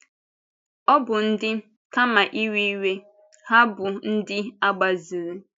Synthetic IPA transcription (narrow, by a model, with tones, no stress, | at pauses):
ɔ˦bʊ˨n̩˦dɪ˦ | ka˦ma˨ʔi˦wi˦i˦we˦ | ha˦bʊ˨n̩˦dɪ˦a˦ɡ͡ba˨zi˨ɾe˦